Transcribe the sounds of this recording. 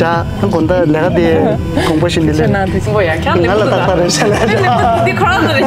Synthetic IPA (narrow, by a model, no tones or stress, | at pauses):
a | ankond̪alɛːkat̪e | kɔŋpoɕind̪elena | ŋalat̪aŋpaɾesalejokʰ